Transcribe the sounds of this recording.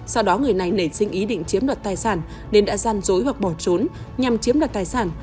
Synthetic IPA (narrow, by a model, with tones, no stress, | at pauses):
sa˧wɗɔ˨˦ŋɨ˨˩əjna˨˩jne˧˩sï˧ŋ̟ʔi˨˦ɗḭ̈˧˨ŋ̟t͡ɕi˨˦əmɗə˨˩t̚t̪aː˨˩jsaː˧˩n | ne˧nɗa̰ː˧˥zaː˧nzo˨˦jva˨˩k̚ɓɔ˧˩t͡ɕo˨˦n | ɲa˨˩mt͡ɕi˨˦mɗaː˨˩t̚t̪aː˨˩jsaː˧˩n